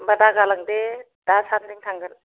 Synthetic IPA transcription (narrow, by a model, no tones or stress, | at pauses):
badaɡalaŋde | d̥asandiŋtʰaŋɡɯl